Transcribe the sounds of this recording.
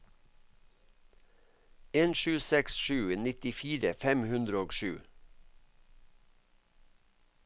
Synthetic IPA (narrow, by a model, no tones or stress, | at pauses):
eːnʃʉːsɛksʃʉːnɪt̪ɪfiːɾəfɛmhʉnd̪ɾəoːɡʃʉ̰ː